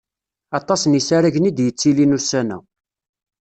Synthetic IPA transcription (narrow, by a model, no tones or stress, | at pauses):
ɑt̪ˤɑsnisaɾaʝnid̪jət͡sːilinusænæ̰